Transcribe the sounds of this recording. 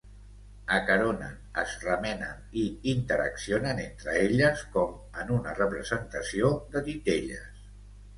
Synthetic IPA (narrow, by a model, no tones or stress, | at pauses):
əkəɾonə̰nəzrəmɛnə̰niint̪əɾə̰ksionənent̪ɾəeʎəskɔm | ənunərəpɾəzənt̪əsioðət̪it̪eʎə̰s